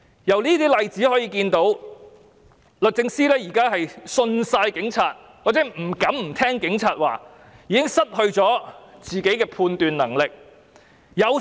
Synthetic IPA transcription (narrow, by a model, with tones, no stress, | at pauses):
jɐ˨˩wniː˥t̪iː˥lɐ˨jt͡siː˨˥hɔː˨˥jiː˧kiː˧nt̪o˨˥w | lɵ˨t̚t͡sɪ˧ŋsiː˥lɛː˥jiː˨˩kaː˥ɦɐ˨jsɵ˧nsaː˧jkɪ˨˥ŋt͡sʰaː˧t̚ | waː˨k̚t͡sɛː˨˥m̩˨˩kɐ˨˥mm̩˨˩t̪ʰɛː˥ŋkɪ˨˥ŋt͡sʰaː˨˧t̚waː˨˩ | jiː˨˧kɪ˥ŋsɐ˥t̚hɵ˧ɥt͡sɔː˨˥t͡siː˨˩ke˨˥jkɛː˧pʰuː˧nt̪yː˨nɐ˨˩ŋlɪ˨k̚ | jɐ˨˧w